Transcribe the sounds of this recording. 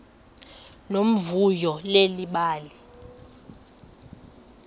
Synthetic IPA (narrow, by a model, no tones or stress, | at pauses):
nom̩vujɔleliɓaːli